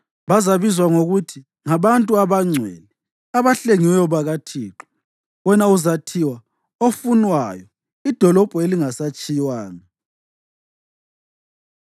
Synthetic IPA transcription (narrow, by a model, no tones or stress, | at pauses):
βazaβizwaŋoɣutʰi | ŋaβantʼuaβaŋ͡ǀʱwɛ̰li | aβaɬeŋiwɛjɔβaɣatʰiːǁɔ̥ | wɛnauzatʰiwa | ofunwajɔ | id̥ʱɔlɔb̥ʱueliŋasat͡ʃʼijwaːni